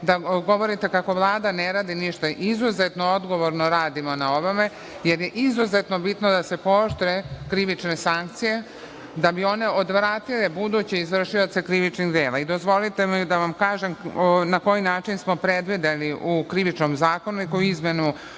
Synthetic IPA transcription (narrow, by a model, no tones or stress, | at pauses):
d̪aɡo̞ʋo̞ɾit̪e̞kako̞ʋlˠaːd̪aneɾaːd̪iniʃt̪aʔizuzet̪no̞o̞d̪ɡo̞ʋo̞ɾno̞ɾaːd̪imo̞nao̞ʋome̞ | je̞ɾje̞ʔizuzet̪no̞bit̪nod̪ase̞poʃt̪ɾekɾiʋit͡ʃne̞saŋk̚t̪sije̞ | d̪abio̞ne̞od̪ʋɾaːt̪ile̞bud̪ut͡ɕeizʋr̩ʃijot̪se̞kɾiʋit͡ʃniɣd̪eːlaid̪o̞zʋo̞lit̪e̞mid̪aʋamkaːʒemnako̞jinaːt͡ʃinsmopɾe̞d̪ʋid̪eliʔukɾiʋit͡ʃnomzaːkonuikojizme̞nu